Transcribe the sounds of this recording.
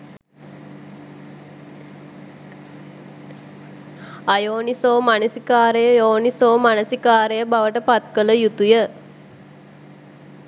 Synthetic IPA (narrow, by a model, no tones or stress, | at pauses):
ajoːnisoːmanəsikaːɾejəjoːnisoːmanəsikaːɾəjəbaʋəʈəpat̪̚kələjut̪ujə